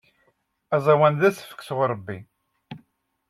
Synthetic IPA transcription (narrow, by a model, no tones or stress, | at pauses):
æzˤæwænðæsə̥fə̥kːsəʁɾˤəbːi